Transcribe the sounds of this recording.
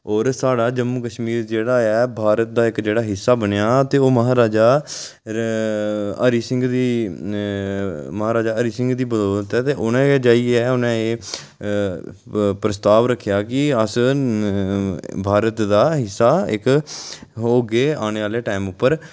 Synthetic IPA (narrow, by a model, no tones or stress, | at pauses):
ɔːɾsaːɽaːd͡ʒəmːuːkəʃmiːɾd͡ʒeːɽaːɛːbʱaːɾət̪̚d̪aːɪkd͡ʒeːɽaːɦɪsːaːbənejaːt̪eːoːməɦaːɾaːd͡ʒaː | əɾiːsɪ̃ŋɡd̪iː | məɦaːɾaːd͡ʒaːəɾiːsɪ̃ŋɡd̪iːbəd̪ɔːt̪ɛːt̪eːʔʊnẽːd͡ʒaːiːɛːʊnẽːeː | pɾəst̪aːʋɾəkʰːejaːkɪəs | bʱaːɾət̪d̪aːɦɪsːaːɪ̰k | oːɡeːaːñeːʋaːleːʈaːmʊpːəɾ